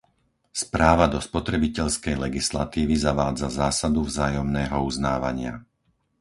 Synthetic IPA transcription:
spɾaːʋad̪ɔspɔt̪ɾɛbicɛʎskɛjlɛɡisla̰t̪iːʋizaʋaːd͡zazaːsad̪uvzaːjɔmnɛːɦɔuznaːʋa̰ɲɪa

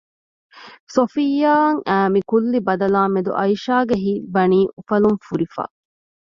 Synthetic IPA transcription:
sofijːaːŋæːmikulːibɐd̪ɐlaːmːed̪ṵʔɐiʃaːɡeɦibɐniːʔufɐluŋfuɾifa̰ː

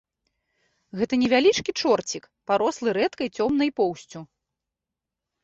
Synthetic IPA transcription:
ɣɛt̪ɐnʲɛvʲalʲit͡ʂkʲit͡ʂɔrt͡sʲik | paɾɔslˠɨɾɛt̪kɐjt͡sʲɔmnɐjpɔwsʲt͡sʲu

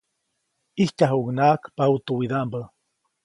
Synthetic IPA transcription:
iht͡ʃaɦuɡnaːkpaut̪uwiðambə

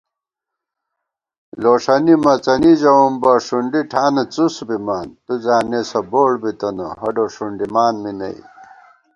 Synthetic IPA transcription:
loːʂɐnimɐt͡sɐnid͡ʑɐumbɐʂuɳɖiʈʰaːnɐt͡susbimaːnt̪uzaːnesɐboːɽbit̪ɐnoɦɐɖoʂuɳɖimaːnminɐ̰i

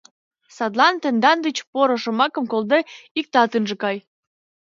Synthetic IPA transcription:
sɑt̪lɑnt̪ənd̪ɑnd̪ət͡ɕpoɾoʃŏmɑkə̆mkold̪eik̚t̪ɑt̪ənʒĕkɑj

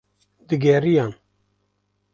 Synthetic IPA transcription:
d̪ɨɡɛɾijɑːn

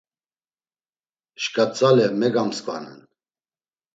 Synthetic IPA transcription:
ʃkʼat͡sʼalɛmɛɡamskʼva̰nɛ̰n

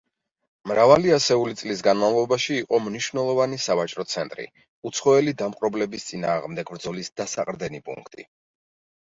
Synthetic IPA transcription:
mɾavaliasɛulit̪sʼlis̬ɡanmavlˠɔbaʃiːqʼɔmniʃvnɛlˠɔvanisavat͡ʃʼɾɔt̪sʰɛnt̪ʼɾḭ | ut̪sʰχɔɛlid̪amqʼɾɔblɛbist̪sʼinaːʁmd̪ɛɡbɾd̪zɔlisd̪̥asaqʼɾd̪ɛnipʼṵŋkʰt̪ʼḭ

